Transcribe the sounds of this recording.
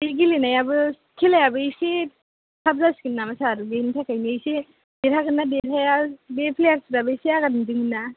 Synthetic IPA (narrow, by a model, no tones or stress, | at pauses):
eɡilinajabɯ | kʰelajabɯejse | sʰab̚zaskinːamasaɾɯɡentʰakajniejse | beɾʰaɡɯnabeɾʰajabepʰlejak̚sɯɾabɯseaɡadndɯŋna